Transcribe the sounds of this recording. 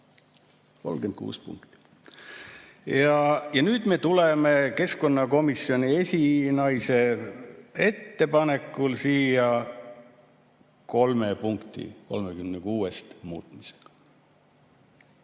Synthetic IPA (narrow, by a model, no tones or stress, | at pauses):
ko̞̰lɡ̥end̪̚kṵːspṵŋkt̪i̥ | jɑjɑnyːd̪̥me̞ːt̪ulemeke̞sko̞nːɑko̞misjo̞nʲie̞sʲinɑjse̞ | e̞t̪ːe̞pɑne̞kːˑulsiːjɑ | ko̞lmepuŋkt̪ḭko̞̰lmekymnekuːest̪mṵːt̪ˑmi̥se̥ɡ̥ɑ̥